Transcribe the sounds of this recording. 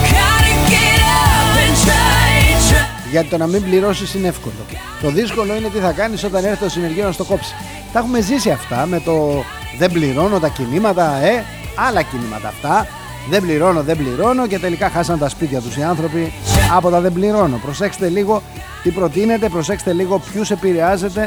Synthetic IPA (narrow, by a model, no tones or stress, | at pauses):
ʝɐt̪it̪o̞nɐmimbliɾo̞sisinee̞fko̞lo̞̰ | t̪o̞ðisko̞lo̞ine̞t̪iθɐkɐniso̞t̪ɐneɾθet̪t̪osine̞ɾʝio̞nɐst̪o̞ko̞psi̥ | t̪ɐxume̞zisiɐft̪ɐme̞t̪o̞ | ðe̞mbliɾo̞not̪ɐcinimɐt̪ɐe̞ | ɐlɐcinimɐ̰t̪ɐ̰ːft̪ɐ | ðembliɾo̞noðebliɾo̞noce̞t̪e̞likɐxɐsɐnt̪ɐspit̪çɐt̪usiɐnθɾo̞piɐpo̞t̪ɐðembliɾo̞no̞pɾo̞se̞xset̪eliɣo̞ | t̪ipɾo̞t̪ine̞t̪e̞pɾo̞sexset̪eliɣo̞pçuse̞piɾe̞ɐze̞t̪e̞